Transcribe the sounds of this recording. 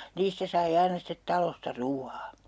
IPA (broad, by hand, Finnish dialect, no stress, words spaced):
niːstæ sɑi ɑinɑ stet tɑlostɑ ruːɑː